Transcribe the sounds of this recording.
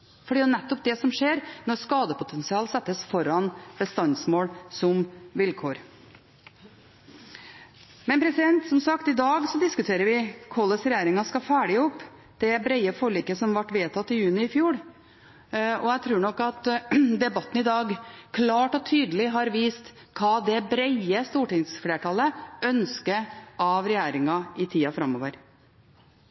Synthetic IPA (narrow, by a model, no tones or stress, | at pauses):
fɔɖiːnɛt̪ːɔp̚d̪ɛsɔmʂeːɾnɔɾskɑːd̪əpʊt̪ʰɛnsɪɑːlsɛt̪ːəsfɔɾɑnb̥əst̪ɑnsmoːlsɔmʋɪlkʰoːɾ | mɛnpʰɾɛsɪd̪ɛnt̪sɔmsɑkt̪ɪd̪ɑːɡsɔd̪ɪskʉt̪ʰeːɾəɾʋɪkʰɔlːəsɾɛjeːɾɪŋɑskɑfæːɖɪɔpː | d̪̥ɛbɾɛɪəfɔɭiːkəsɔmʋɑʈːʋeːt̪ʰɑt̪ːɪjʉːnɪɪfjuːɾ | ɔjæt̪ʰɾʉːɳɔkːɑt̪d̪ɛbɑt̪ːn̩ɪd̪ɑːɡkʰlɑːʈɔt̪ʰyːd̪əlɪɦɑɾʋiːst̪ | kʰɑːd̪ɛbɾɛɪəst̪uːʈɪŋsfleːʈʰɑləœnskəɾʔɑʋɾɛjæːɾɪŋɑɪt̪ʰiːɑfɾɑmoːʋəɾ